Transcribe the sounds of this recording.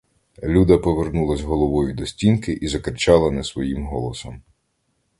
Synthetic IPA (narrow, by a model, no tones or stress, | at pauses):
lʲud̪ɐpɔʋernulˠɐzʲɦɔlˠɔʋɔjʊd̪ɔsʲtʲinkɪʔizɐkɾɪt͡ʃɑlˠɐnɛsʋɔjimɦɔlˠɔsɔm